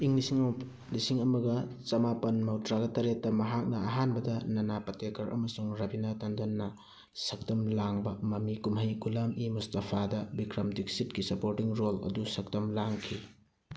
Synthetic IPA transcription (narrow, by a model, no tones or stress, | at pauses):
iŋlisiŋm | lisiŋɐmɐɡɐt͡ʃɐmapɐnmɐwtɾaɡɐtɐɾetːɐmɐɦak̚nɐːɦanbɐdɐnɐnapɐtʰekɐɾʔɐ̰mɐsuŋɾɐbinatɐndɐnːɐ | sɐk̚tɐmlaŋbɐmɐmikumɦɐjɡulamimustɐpʰadɐbikɾɐmdik̚sit̚kisɐpoɾtiŋɾolɐ̰dusɐk̚tɐmlaŋkʰi